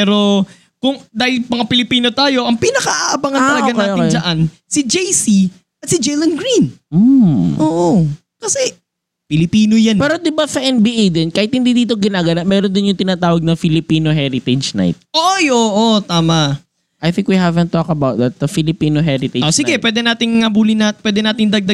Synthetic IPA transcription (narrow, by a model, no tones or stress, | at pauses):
pɛɾo | kʊŋd̪aːhɪlmɐŋapɪlɪpiːno̞t̪aːjo̞ʔɐŋpinɐkɐʔaʔɐbaŋɐnɐlɐoɡank̪ːjoɪeŋjzɐʔan | sɪd͡ʒɛjsi | ʔɐt̪sɪd͡ʒɛjlɐnɡɾinm̩ʔoːʔo | kɐsɛ | pɪlɪpiːnojanpɛːɾod̪ɪbasɐʔɛnbiʔejd̪ɛnkaːhɪt̪̚hɪnd̪id̪iːt̪oɡɪnaːɡɐnɐmɛːɾond̪ɪnjʊŋt̪ɪnaːt̪aːwɐɡ̚nɐŋfɪlɪpiːnoɦɛɾɪt̪ɛd͡ʒna̰jt̪̚ʔoʔjoːʔot̪aːmɐʔ | ʔajθɪ̃ŋkwihavɛ̃nt̪ːokɐbawt̪̚ðɐt̪̚ɐfɪlɪpiːnoɦɛɾɪt̪ɛʔod͡ʒsɪɡɛpwɛːd̪ɛnaːt̪ɪŋŋɐbuːlɪnat̚pwɛːd̪ɛnaːt̪ɪnd̪ɐɡ̚d̪ɐ